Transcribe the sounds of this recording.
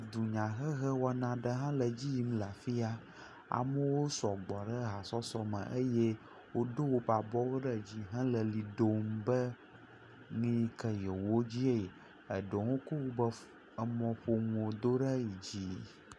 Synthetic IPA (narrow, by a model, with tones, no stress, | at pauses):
d̪u˨ɲã˨ɣə˦ɣə˦wɔ˨nã˨ɖə˦ɦã˦lə˨d͡ʑi˦ji˦m˦la˨fi˦a˦ | a̰˨mə˦wo˦sɔ˨ɡ͡bɔ˨ɖə˦ɦa˨sɔ˦sɔ˦mə̰̃˨ʔə˦je˦ | wo˦ɖo˦wo˦ba˨bɔ˦wo˦ɖə˦d͡ʑi˦ɦã˦lə˨li˨ɖo˦mbə˦ | ŋĩ˦kə˨jɛ˨wo˦d͡ʑi˦e˨ | ə˨ɖo˨ŋõ˦ko˦wu˦bə˦ | ə˨mɔ̃˨ɸo˦ŋo˨d̪o˦ɖə˦ji˨d͡ʑi˦